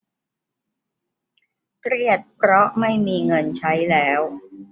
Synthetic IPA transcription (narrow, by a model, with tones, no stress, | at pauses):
kɾi˥˩ət̪̚pʰɾɔ˦˥ma˥˩jmiː˧ŋɤ˧nt͡ɕʰa˦˥jlɛː˦˥w